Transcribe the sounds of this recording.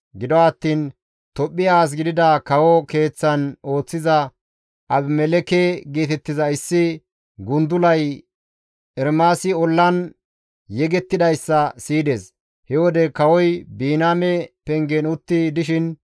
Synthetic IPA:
ɡɪd̪ɔwaːt̪ːiːn | t̪ɔpʼːɪjaːs̬ɡɪd̪ɪd̪ɐkɐwɔke̞ːt͡sːɐno̞ːt͡sːɪzɐ | ʔɐbmɛlɛkɛɡeːt̪ɛt̪ːɪzɐɪsːɪ | ɡʊnd̪ʊlɐj | ɛɾmaːsɪɔlːɐn | jɛɡɛt̪ːɪd̪ɐjsːɐsiːd̪eːs | hɛwɔd̪ɛkɐwɔjbiːnaːmɛpɛŋɡɛnʊt̪ːɪd̪ɪʃɪn

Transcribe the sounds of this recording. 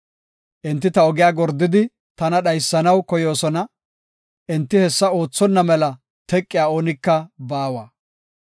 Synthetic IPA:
ʔɛnt̪ːɪt̪ɐɔɡɪjaːɡɔɾd̪ːɪd̪ɪ | t̪ɐnɐɗɐjsːɐnɐwkɔjo̞ːsɔnɐ | ʔɛnt̪ːɪhɛsːɐo̞ːt͡sːɔnːɐmɛlɐ | t̪ɛkʼːɪjaːoːnɪkːɐbaːwaː

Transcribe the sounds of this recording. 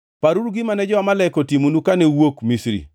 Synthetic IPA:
paɾuɾɡɪmanɛd͡ʒɔamalɛkotimonukanɛwokmisɾḭ

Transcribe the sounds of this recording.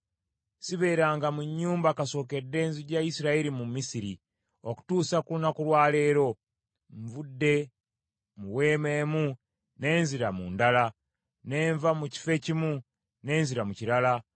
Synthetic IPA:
siβe̞ːɾaːŋɡamuɲːuːmbakaso̞ːke̞dːe̞ːnziɟaisiɾaiɾimumisiɾi | oku̥tuːsakulunakulwaːle̞ːɾo̞ | ɱvudːe̞ | muwe̞ːmeːmu | ne̞ːnziɾamuːndala | ne̞ːɱvamuci̥fe̞cimu | ne̞ːnziɾamuciɾala

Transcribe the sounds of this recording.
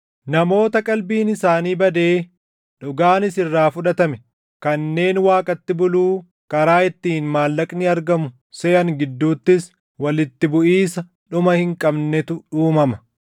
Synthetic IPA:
nɐmo̞ːt̪ɐkʼɐlbiːnɪsaːniːbɐd̪e̞ː | ᶑʊɡaːnɪsɪrːaːfʊᶑɐt̪ɐmɛ | kɐnːe̞ːnwaːkʼɐt̪ːɪbʊluː | kɐɾaːɪt̪ːiːnmaːlːɐkʼnɪɐɾɡɐmʊ | sɛːʔɐŋɡɪd̪ːuːt̪ːɪs | wɐlɪt̪ːɪbʊʔiːsɐ | ᶑʊmɐhɪŋkʼɐbnɛt̪ʊᶑuːmɐmɐ

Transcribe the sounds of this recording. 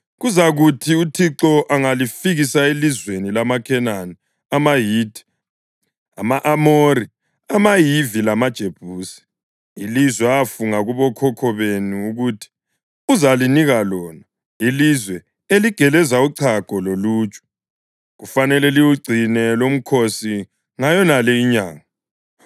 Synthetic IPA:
ɣuzaɣutʰiutʰiǁɔʔaŋalifiɣisaelizwenilamakʰɛnani | amajiːdʰʱi̥ | amaʔamori | amajivilamad̥ʒ̥ʱeb̥ʱuːsi̥ | ilizwɛafuŋaɣuβɔkʰɔkʰɔβenuːɣutʰi̥ | uzaliniɣalɔːna | ilizwɛ | eliɡ̥ʱɛlɛzauǀʰaɡ̥ʱɔloluːt͡ʃʼɔ̥ | ɣufanɛlɛliwuɡ͡ǀʱinɛlom̩kʰosi | ŋajɔnalɛiɲaːŋa

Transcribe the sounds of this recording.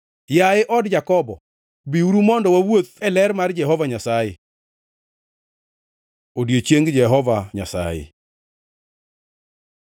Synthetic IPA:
jaɪʔɔdd͡ʒakɔbɔ̰ | biuɾumɔndɔwawot̪̚ɛlɛɾmard͡ʒɛɦɔvaɲasajḛ | odjet͡ʃeŋɡd͡ʒɛɦɔvaɲa̰sa̰jḛ

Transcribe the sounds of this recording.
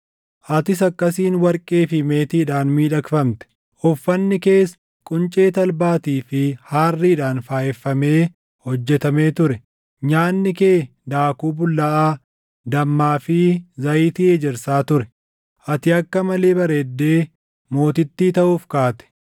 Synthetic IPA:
ʔɐt̪ɪs̬ɐkːɐs̬iːnwɐɾkʼeːfɪme̞ːt̪iːᶑaːnmiːᶑɐkfɐmt̪ɛ̥ | ɔfːɐnːɪke̞ːs | kʼʊnt͡ʃʼe̞ːt̪ɐlbaːt̪iːfɪhaːrːɪɪᶑaːnfaːjɛfːɐme̞ː | hɔd͡ʒːɛt̪ɐme̞ːt̪ʊɾɛ | ɲaːnːɪke̞ː | d̪aːkuːbʊlɐʔaː | d̪ɐmːaːfɪzɐʔiːt̪ɪeːd͡ʒɛɾsaːt̪ʊɾɛ | ʔɐt̪ɪɐkːɐmɐle̞ːbɐɾeːd̪ːe̞ː | mo̞ːt̪ɪt̪ːiːt̪ɐʔuːfkaːt̪ɛ̥

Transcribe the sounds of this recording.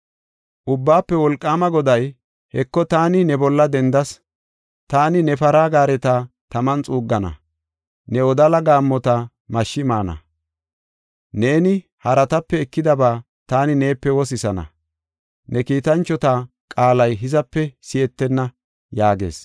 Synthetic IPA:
ʔʊbːaːpːɛwɔlkʼːaːmɐɡɔd̪ɐj | hɛkːɔt̪aːnɪnɛbɔlːɐd̪ɛnd̪ɐs | t̪aːnɪnɛfɐɾaːɡaːɾɛt̪at̪ɐmɐnt͡sʼuːɡːɐnɐ̰ | nɛɔd̪ɐlɐɡaːmːɔt̪ɐ | mɐʃːɪmaːnɐ̰ | ne̞ːnɪ | hɐɾɐt̪ɐpːɛɛkːɪd̪ɐbaː | t̪aːnɪne̞ːpːɛwɔs̬ɪsɐnɐ̰ | nɛkiːt̪ɐnt͡ʃːɔt̪a | kʼaːlɐjɦɪzɐpːɛsɪjɛt̪ːɛnːɐ | jaːɡe̞̰ːs

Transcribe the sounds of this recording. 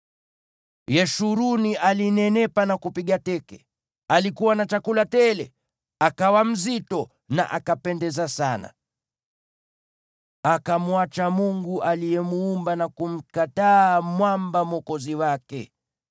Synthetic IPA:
jɛʃuɾuniʔalinɛnɛpanakupiɠatɛkɛ̰ | alikuwanat͡ʃakulatɛlɛ | akawam̩zitɔ | na̰ʔakapɛndɛzasana̰ | akamuat͡ʃamuŋɡuʔalijɛmuːmbanakum̩kataːmwambamɔkɔziwakɛ

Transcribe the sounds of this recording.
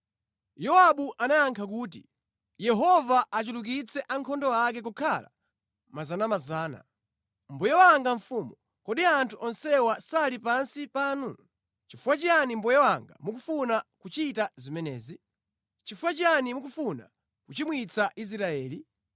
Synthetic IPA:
jɔwaɓuʔanajaŋkʰak̬uːt̬i | jɛɦɔvaʔat͡ʃuluk̬it͡sʰɛʔaŋkʰɔndɔak̬ɛk̬ukʰala̰ | mazanamazaːna̰ | mbɔjɛwaŋɡaɱfuːmu | kɔɗiantʰuʔɔnsɛwasalipansipaːnu | t͡ʃifuwat͡ʃanimbɔjɛwaŋɡa̰muk̬ufunakut͡ʃitazimɛnɛːzi | t͡ʃifuwat͡ʃanimuk̬ufuna̰ | kut͡ʃimwit͡sʰaʔis̬ɾaɛːli

